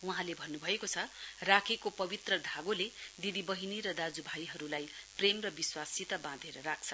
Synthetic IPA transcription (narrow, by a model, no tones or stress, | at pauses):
wuɦãlebʱʌnːubʱʌekot͡sʰʌrakʰekopʌbit̪rʌd̪ʱaɡoled̪id̪ibʌɦiniɾʌd̪ad͡zubʱajɦʌɾulajpremrʌbiswasit̪ʌbãd̪ʱeɾʌɾak̚t͡sʰʌ̥